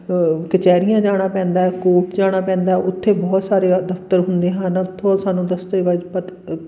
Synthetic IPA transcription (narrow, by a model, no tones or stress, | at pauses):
kət͡ʃɛːɾɪjãːd͡ʒaːɽ̃aːpɛ̃ːnd̪aːɛːkoːʈd͡ʒaːɽ̃aːpɛ̃ːnd̪aːɛʊt̪ʰːeːbɔːt̪saːɾeːd̪əft̪əɾɦʊnd̪eːɦãnt̪ʰːõsaːnːũːd̪əst̪eːʋad͡ʒpət̪